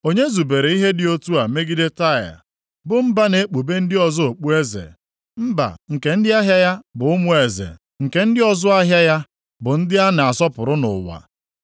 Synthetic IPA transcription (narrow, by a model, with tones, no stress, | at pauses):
o˦ɲe˦zu˨be˨ɾe˨i˦ɦe˦dɪ˨o˦tu˦a˨me˦ɡi˦de˦ta˦˨ja̰˨ | bʊ˨m̩˦ba˦ne˨˦k͡pu˨be˦n̩˦dɪ˦ɔ˨zʊ˦o˨k͡pu˦e˦zḛ˨ | m̩˦ba̰˨ŋ̩˨ke˨n̩˦dɪ˦a˦ɦja˦ja˦bʊ˨ʊ˦mʊ˦e˨zḛ˨ | ŋ̩˨ke˨n̩˦dɪ˦ɔ˦zʊ˦a˦ɦja˦ja˦ | bʊ˨n̩˦dɪ˦a˦n˨a˨sɔ˦pʊ˨ɾʊ˦nʊ̰˨wa̰˨